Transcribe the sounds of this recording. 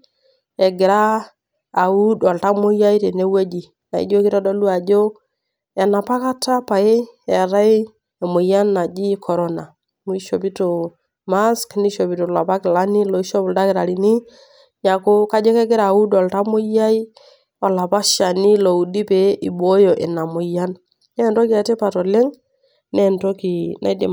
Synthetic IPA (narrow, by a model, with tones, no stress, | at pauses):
ɛ˨ɡɪ˨ɾaː˦˨ | wu˦dɔ˨lta˦mo˦ja˦i˦te˨ne˦we˦d͡ʒi˨ | na˨ḭ˦d͡ʒo˦kɪ˦ɾa˦dɔ˦lu˦a˨d͡ʒo˦ | ɛ˨na˨pa˦ka˦ta˦pa˨e˦ɛ˨ɾa˦j | e˨mo˨ja˦nːa˨d͡ʒi˦kʰɔ˨ɾɔ˦na˨ | mu˨i˦ʃo˨pi˦to˨ | ma˦skni˦ʃo˨pi˨to˨la˨pa˦kɪ˨la˦ni˦lo˨i˦ʃo˦blda˦kɪ˨ɾa˨ɾi˨ni˦ | ɲa˨ko˦ka˦d͡ʒe˦kɛ˦kɪ˦ɾa˨u˦dɔ˨lta˦mʊ˦ja˦i˦ | wa˨la˨pa˦ʃa˨ni˦lo˨u˨di˦pe˨˦ʔi˨bo˦jo˨ʔe˨na˨mʊ˨ja˦n | nɛ˦nto˦ki˦a˨te˦pa˨to˨le˦ŋ | nɛ˦˨nto˦ki˨nʔa̰˦dḭ˨